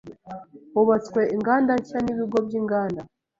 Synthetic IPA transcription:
oβat͡sweiŋɡaːndacaniβiɡobjiːŋɡaːnda

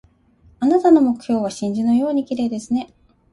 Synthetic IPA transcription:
anat̪ano̞mo̞kɯ̟̥çʲo̞ːβaɕĩɲ̟d͡ʑinojo̞ːɲ̟ikʲiɾe̞ːd̪e̞sɨne̞

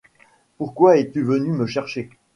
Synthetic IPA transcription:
puʁkwaɛt̪yvənyməʃɛʁʃe

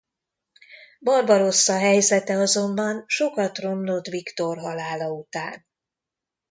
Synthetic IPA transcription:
bɒrbɒɾo̞sːɒɦɛjzɛt̪ɛɒzo̞mbɒnʃo̞kɒt̪ro̞mlo̞t̪ʋikt̪o̞rɦɒlaːlɒut̪a̰ːn

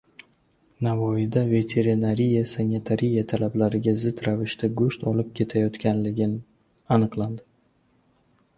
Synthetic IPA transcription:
navɒɪd̪ave̞t̪ʰe̞ɾɪnaɾijasanʲet̪ʰaɾijat̪ʰalablaɾɪɡʲazɪd̪ɾavɪʃt̪aɡʊʃt̪ɒlɪp̚kʲʰe̞t̪ʰajɒt̪kʲanlɪɡʲɪn | anɨqlˠand̪ɪ

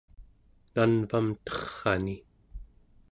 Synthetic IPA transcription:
nanvamt̪ʌχːɑni

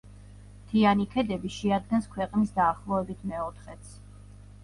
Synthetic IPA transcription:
t̪ʰianikʰɛd̪ɛbiʃɛad̪̚ɡɛnskʰwɛqʼnisd̪aːχlˠɔɛbit̪ʰmɛɔt̪ʰχɛt̪sʰ

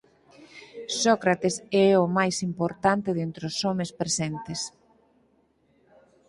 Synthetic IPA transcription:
sɔkɾat̪esɛomajsimpoɾt̪ant̪ɪðent̪ɾosɔmespɾesent̪es

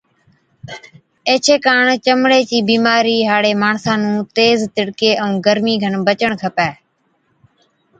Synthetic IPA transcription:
eːt͡ʃʰeːkaːɳt͡ʃəmɽeːt͡ʃiːbiːmaːɾiːɦaːɽeːmaːɳsãːnũːt̪eːzt̪ɪɽkeːʔəũːɡəɾmiːɡʱəɳbət͡ʃəɳkʰəpɛː

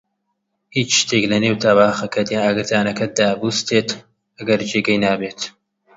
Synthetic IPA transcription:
hit͡ʃʃt̪ʰeːklɐneːwt̪ʰaːbaːxɐkʰɐd̪janaɡɨɾt̪aːnɐkʰɐd̪aːbuːst̪ʰeːt̪ | ʔɐɡɐɾd͡ʒeːɡɐjnaːbeːt̪

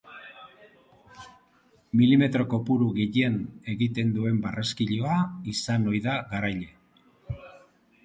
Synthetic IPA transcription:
milime̞t̪ɾo̞ko̞puɾuɣiʎene̞ɣit̪e̞nd̪ue̞mbareskiʎo̞aisano̞jðaɣaɾajʎe̞

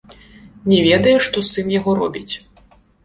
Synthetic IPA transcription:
nʲɛvʲɛd̪ɐjɛʂt̪ɔsɨmjaɣɔɾɔ̰bʲit͡sʲ

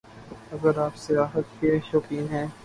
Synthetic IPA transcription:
ɐɡəɾaːpsɪjaːɦət̪keʃoːpĩːnɦɛ̃ː

